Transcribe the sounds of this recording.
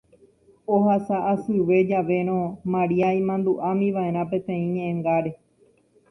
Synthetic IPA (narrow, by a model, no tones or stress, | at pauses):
oɦasaʔːsɨʋe̞d͡ʒaʋe̞ɾ̃õmãɾiaĩmãnd̪uʔamĩʋaeɾ̃ãpẽ̞t̪ẽ̞ĩɲẽʔẽŋɡaɾe̞